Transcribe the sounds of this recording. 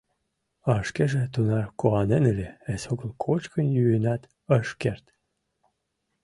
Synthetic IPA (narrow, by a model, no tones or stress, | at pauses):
ɑʃkeʒet̪unɑrkoʁɑnenelʲeesoɣəlkʰot͡ɕkənjyenɑt̪ | əʃkert̪